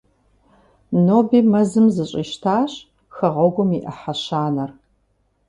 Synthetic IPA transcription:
noːbiːmɐzɨmzɨɕʼiːʃtʰaːɕ | xɐʁʷɐɡʷʊmiʔɐħaɕaːnɐr

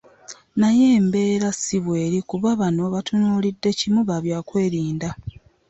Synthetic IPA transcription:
naje̞ːmbe̞ːɾasiβwe̞ːɾikuβaβano̞βatunuːlidːe̞cimuβaβjaːkwe̞ːɾiːnda

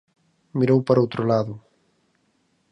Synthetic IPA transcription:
miɾowpaɾowt̪ɾolaðʊ

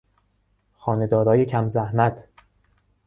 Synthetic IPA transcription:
xɒːne̞d̪ɒːɾɒːjecʰæmzæhmæt̪ʰ

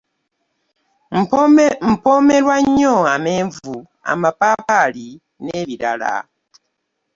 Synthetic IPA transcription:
m̩pɔmɛlwaɲɔŋameɱvu | a̰mapapali | neβiɾala̰

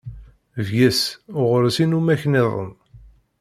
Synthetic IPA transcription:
vʝæsʊʁɾsinumæçneðˤə̰n

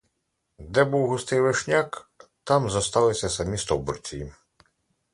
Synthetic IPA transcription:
d̪ɛbuwɦʊst̪ɪjʋeʃnʲakt̪ɑmzɐst̪ɑlˠɪsʲɐsɐmʲist̪ɔwbɔrt͡sʲii

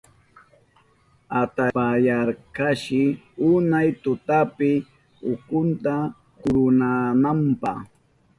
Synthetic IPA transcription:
at̪aajaɾkaʃɪ | ʊnajt̪ʊt̪apɪ | ʊkʊnt̪a | kʊɾʊnanampɑ̰χ

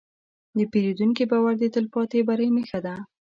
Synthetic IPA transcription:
d̪əpeɾed̪unkibɑwaɾd̪ət̪əlpɑt̪ebaɾəjmexad̪a

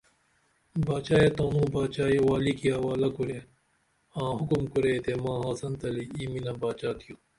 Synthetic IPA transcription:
baːt͡ʃaːjet̪oːnũːbaːt͡ɕaːjewaːlikiɐwaːlɐkuɾeː | ãːɦʊkumkuɾeːt̪emãːɦaːsɐnt̪ɐliiːminãːbaːt͡ʃaːt̪ʰijũː

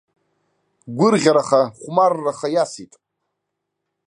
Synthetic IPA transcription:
ɡʷʊrʁʲaɾaχaχʷmarːaχajasitʼ

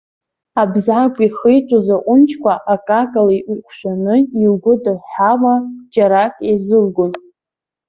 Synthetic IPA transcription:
abzʕakʷʼiχəjʈ͡ʂʷʼozaqʷʼʊnt͡ʃʰkʷʰaʔakʼakʼaliʔʷʊkʷʰʼʃʷanɨilɡʷʊdɨħawad͡ʒʼaɾakʼezɨlɡʷʊn

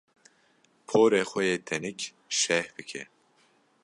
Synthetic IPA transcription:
pʰoːɾeːxʷɛjeːt̪ʰɛnik | ʃɛhbɨkʰɛ̰

